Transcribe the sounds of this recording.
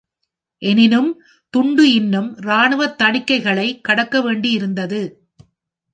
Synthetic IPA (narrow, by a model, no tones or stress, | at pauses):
ʔɛnɪnɯm | t̪ʊɳɖɯɪnːɯmɾaːɳɯʋɐt̪ːɐɳɪkːɐɪɣɐɭɐɪkːɐɽɐkːɐʋeːɳɖijɪɾɯnd̪ɐðɯ